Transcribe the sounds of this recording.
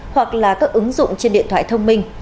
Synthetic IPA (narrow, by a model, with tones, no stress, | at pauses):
hwa˨˩k̚laː˨˩kaː˦˥k̚ʔɨ˨˦ŋzʊ̰˧˨ŋ͡mt͡ɕe˧nɗḭ˧˨ət̪waː˧˨t̪ʰə˧wŋ͡mmï˧ŋ̟